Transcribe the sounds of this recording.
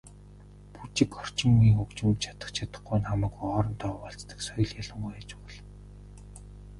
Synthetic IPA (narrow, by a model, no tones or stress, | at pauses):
put͡ɕɪ̆kɔr̥t͡ɕɪ̆ŋːiːŋxɵkt͡ɕɪ̆mt̪t͡ɕʰḁt̪ə̥̆χt͡ɕʰat̪ə̆χɡujnχamæ̆ːkuɔːɾɞ̆nt̪ʰɔːpɔɬt͡st̪ə̥̆ksɔjɞ̆ɮjaɮə̆ŋɢæːt͡ɕpʊɮ